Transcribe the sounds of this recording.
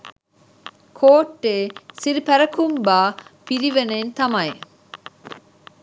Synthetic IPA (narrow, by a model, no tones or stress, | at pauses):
kʰoːʈːeːsiɾipæɾɐkumbaːpiɾiʋeneːnt̪ɐmɐe